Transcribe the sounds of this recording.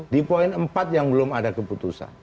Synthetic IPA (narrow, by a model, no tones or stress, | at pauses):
dipoɪnəmpat̪̚jaŋbəlʊmadakəput̪usa̰n